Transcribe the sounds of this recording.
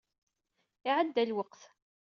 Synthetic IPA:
ɪʕəd̪ːælwəqθ

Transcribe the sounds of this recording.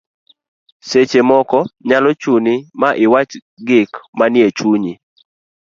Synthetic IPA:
set͡ʃemɔkɔɲalɔt͡ʃunimaʔɪwat͡ʃ | ɡɪkmanjet͡ʃuɲi

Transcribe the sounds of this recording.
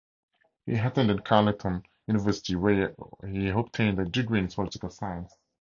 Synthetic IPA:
hḭɦatə̃ndɪ̃nkʰalɪ̃tʰə̃n | junɪvɜˑsɪ̥tʰiwɛhiɔb̚tʰẽɪ̃ndədɪɡɹĩnspʰɔlɪtɪkəlˠsajə̃ns

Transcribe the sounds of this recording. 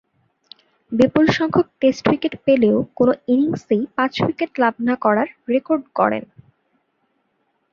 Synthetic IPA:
bipulʃɔŋkʰok̚ʈesʈwikeʈpeleokonoiniŋsejpãt͡ɕwikeʈlab̚nakɔɾaɾɾekoɾɖkɔ̰ɽḛn

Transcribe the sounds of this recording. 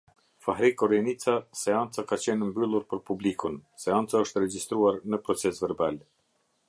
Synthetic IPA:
fahɾikɔɾɛnit͡sasɛant͡sakat͡ɕɛnəmbylˠuɾpəɾpublikunsɛant͡saəʃt̪əɾɛd͡ʑist̪ɾuaɾnəpɾɔt͡sɛsvɛɾbal

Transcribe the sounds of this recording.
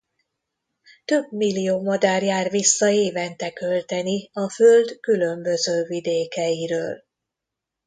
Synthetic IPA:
t̪ø̞bmilːijoːmɒd̪aːrjaːrʋisːɒeːvɛnt̪ɛkø̞lt̪ɛniɒføld̪kylø̞mbø̞zøːvid̪eːkɛjiɾøːl

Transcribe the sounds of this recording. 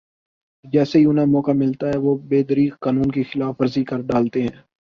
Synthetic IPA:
d͡ʒɛːseiʊnamɔːkamɪlt̪aɦɛʋobeːd̪əɾiːkkaːnuːnkixɪlaːfʋɐɾzikɐɾɖaːlt̪eɦɛ̃ː

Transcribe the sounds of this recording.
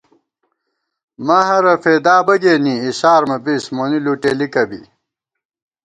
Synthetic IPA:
maːɦɐɾɐfeːd̪aːbɐɡeːniːiɕaːɾmɐbismoniluːʈeːlikɐbḭ

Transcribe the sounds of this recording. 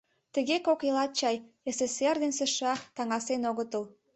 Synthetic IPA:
t̪ə̆ɣekokelɑt̪̚t͡ɕɑj | eseserd̪ensĕʃɑt̪ɑŋɑsenoɣət̪əl

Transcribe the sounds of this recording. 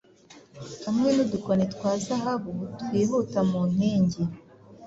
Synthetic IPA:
hamŋenudukonetwaːzaɦaβotweːβotamun̥heːɲɟe

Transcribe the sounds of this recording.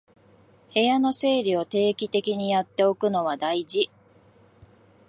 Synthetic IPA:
he̞jano̞se̞ːɾʲio̞t̪e̞ːkʲit̪e̞kʲiɲ̟ijat̪ːe̞o̞kɯ̟no̞β̞ad̪aiʑi

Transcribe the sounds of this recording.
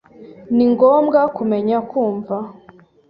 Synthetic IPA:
niŋɡoːmɡakumeɲakuːɱva

